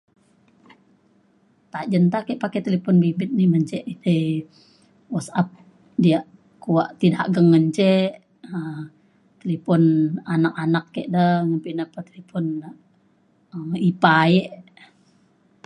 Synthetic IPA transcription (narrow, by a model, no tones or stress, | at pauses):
t̪aʔd͡ʒənt̪akɛʔpakɛt̪elepɔnbibɪt̪̚nɪhməɲt͡ʃɛʔit̪e | wɔsap̚ | diaʔ | kuaʔt̪idaʔɡəŋːəɲt͡ʃɛ | ə | t̪elipɔnanakanakːɛʔdəŋəmpinapət̪elepɔn | əipajɛʔ